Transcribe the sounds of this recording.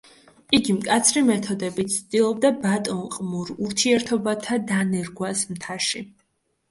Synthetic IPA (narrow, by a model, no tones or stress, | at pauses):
iɡimkʼat̪sʰɾimɛt̪ʰɔd̪ɛbit̪sʰd̪ilˠɔbd̪abat̪ʼɔnqʼmuɾuɾt̪ʰiɛɾt̪ʰɔbat̪ʰad̪anɛɾɡwasmt̪ʰaʃi